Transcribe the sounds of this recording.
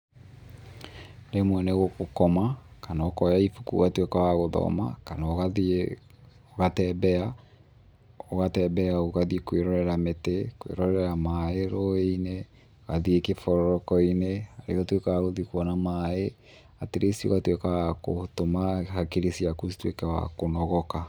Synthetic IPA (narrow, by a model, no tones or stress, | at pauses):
nemwɛneɣokokɔmakanaokɔjaifukṵɣatwekawaɣoðɔ̰ma̰kanaoɣa | oɣatɛbɛa | oɣatɛbɛaoɣaðikweɾɔɾɛɾametekwḛɾɔɾɛɾamaeɾɔeine | oɣaðiekefɔɾɔɾɔkɔineaɾḛɣatwekawaɣoðikwɔnamae | ateɾʔesio̰ɣatwekawakotomahakeɾesiakusi̥twḛkɛwa̰konɔɣɔka